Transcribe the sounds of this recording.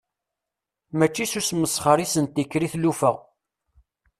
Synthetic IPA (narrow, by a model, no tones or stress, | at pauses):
mæt͡ʃːisusməsχəɾisənt̪ːikːɾiθlufəʁ